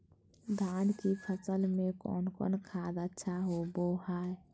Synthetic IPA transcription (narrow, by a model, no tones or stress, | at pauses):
d̪ʱaːnkipʰəsəlmekɔ̰ːnkɔ̰nkʰad̪ətːʃʰaɦobohaj